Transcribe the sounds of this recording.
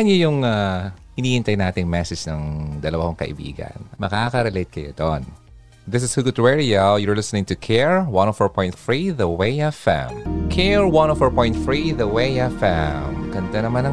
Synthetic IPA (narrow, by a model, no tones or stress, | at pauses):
ɐnojʊŋa | hɪniːhɪnt̪ɐjnaːt̪ɪŋmɛsɛd͡ʒnɐŋd̪ɐlɐwakoŋkɐʔɪ̰bḭːɡɐ̰nmɐkakɐɾɛlejt̪̚kɐjo̰d̪o̰n | ðɪs̬ɪshuɡʊt̪wɛɹiajɔɹlɪsnɪ̃ŋt̪ʊkʰɛɹwɐ̃nɔfəɹpɔ̃jnt̪fɹiðɐweɪɛfɛ̰mkʰɛɹwɐnɔfəɹpɔ̃j̃nt̪fɹiðɐweɛfɛmkɐnt̪ɐnɐmanɐ